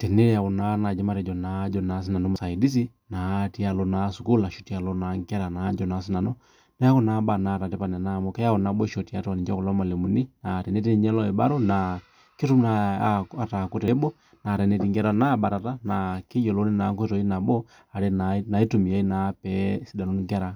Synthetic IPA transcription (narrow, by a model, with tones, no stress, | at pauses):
tɛ˨ne˦ɾi˨a˨ɣu˨na˦na˨d͡ʒɛ˦ma˦ɾɛ˨d͡ʒɔ˨nad͡ʒɔna˨˦s̬i˦na˨nɔ˦ma˨sa˨idi˦s̬i˦ | na˨ti˦a˨lɔ˨nasu˨ku˦la˨ʃutia˨lɔna˨ŋkɛ˦ɾa˨na˦ɲd͡ʒɔna˦si˦na˨nɔ | nɛ˦a˦ku˦na˨˦ba˨na˨ta˨tɛ˦pa˨nɛ˨na˦˨mɔka˦ja˦ɔ˨na˨bɔ˦ʃɔ˨tia˦twa˨ni˨d͡ʒa˦ku˨lɔ˦ma˨le˨mu˨ni˦na˨tɛ˨ne˦ti˦ɲɛ˦lɔ˦i˨ba˦ɾɔ˦na | ki˦tu˦maa˨ta˨ku˦te˦bɔ˦ | na˨tɛ˨ne˨ti˦ŋɡɛ˦ɾa˦na˦ba˨ɾa˨ta˦na˨ki˦jɔ˨lo˦ni˦na˨˦ŋkwe˦tɔ˨i˦na˨bɔ˦ | a˨ɾe˦nana˨i˦tu˨mi˨a˦i˦na˨pɛsi˦da˨lo˦nikɛ˦ɾa˨